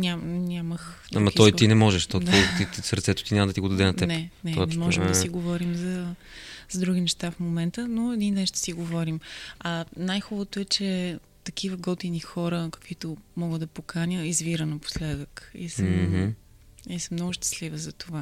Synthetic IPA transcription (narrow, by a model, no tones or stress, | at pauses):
nʲamnʲaməx | t̪a̰mɐit̪ɔit̪inɛmɔʒɛʃt̪ɔd̪it̪isəɾt̪sɛt̪ʊ̥t̪iɲʲaməd̪ɐt̪iɡod̪ɐd̪ɛnɐɛnɛnɛnɛmɔʒɛməsiɡovɔɾimzɐ | zɐd̪ɾuɡ̟inɛʃt̪afmomɛnt̪ənoɛd̪inːɛʃt̪ɛ̥siɡovɔɾimɐnajxubət̪oɛt͡ʃɛ | t̪ɐkivəɡɔt̪inixɔɾəkə̥kvit̪omɔɡəd̪d̪ɐpokanʲəizviɾənɐpo̥slɛd̪əkḭsəm | isəmnɔɡʊʃt̪ə̥slivəzɐt̪ova